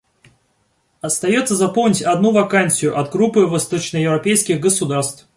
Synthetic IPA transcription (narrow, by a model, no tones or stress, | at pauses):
ɐst̪ɐjo̞t̪səzɐpolˠmnʲɪtʲɐd̪nuvɐkanʲsʲɪjʊʔɐt̪̚ɡɾupːɨvɐst̪o̞t͡ɕnəjɪvɾɐpʲejskʲɪɣɡəsʊd̪arst̪f